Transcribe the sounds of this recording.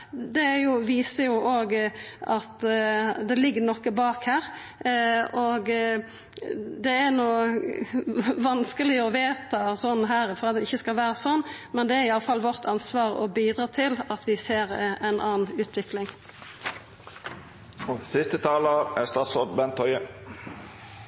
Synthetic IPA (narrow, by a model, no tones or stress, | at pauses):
d̪ɛæɾjʊʋiːsəjʊʔoːɡɑt̪d̪ɛlɪɡːənɔkːəbɑːkhæːɾ | ɔɡ | d̪ɛæɾnuː | ʋɑnskəlɪɔʋeːt̪ɑsɔnːɦæːɾfɔɾʁɑt̪̚d̪ɛɪçːəskɑlʋæːɾəsɔnːmɛnd̪ɛæɾɪɑlːəfɑlːʋɔʁt̪ʰɑnsʋɑːʁɔ̰biːd̪ɾɑːt̪ʰɪlɑt̪ʋɪseːɾæɪnʔɑːnʉːt̪ʋɪklɪŋ | sɪst̪ət̪ʰɑːləɾæst̪ɑːt̪sɔd̪bɛnt̪ʰɔʏə